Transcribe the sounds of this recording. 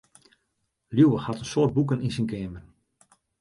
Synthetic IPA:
ljuːwəxhɑtənsoːt̚buk̬əninsinkʰɛːmən

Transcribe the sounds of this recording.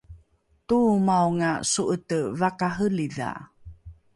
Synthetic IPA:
tumawŋasuʔətəvakaɦəliða̰

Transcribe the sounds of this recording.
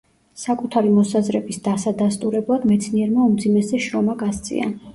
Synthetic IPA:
sakʼut̪ʰaɾimɔsazɾɛbisd̪̥asad̪ast̪ʼuɾɛblˠad̪mɛt̪sʰniɛɾmaumd̪zimɛsɛʃɾɔmaɡast̪sʼḭa̰

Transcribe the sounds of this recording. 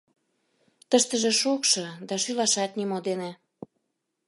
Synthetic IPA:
t̪əʃt̪əʒĕʃokʃɤ̆d̪ɑʃylɑʃɑt̪nimod̪ene

